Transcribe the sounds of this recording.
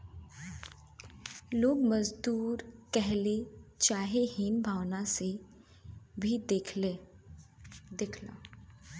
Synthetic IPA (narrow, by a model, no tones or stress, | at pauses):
loːɡməzd̪uːɾkɛɦlet͡ʃaːɦeɦiːnbʱaːwnase | bʱid̪ekʰe | d̪eːkʰla̰